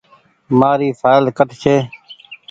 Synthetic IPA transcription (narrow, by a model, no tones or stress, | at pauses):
maːɾiːfʰaːjlkəʈkʰeː